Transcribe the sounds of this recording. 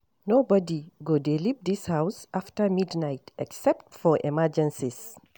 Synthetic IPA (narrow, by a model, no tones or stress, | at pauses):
nobɔdiɡodelipd̪ishawsaftəmidnajtʔɛksɛp̚tfɔɹʔɛmɛd͡ʒɛ̃nsis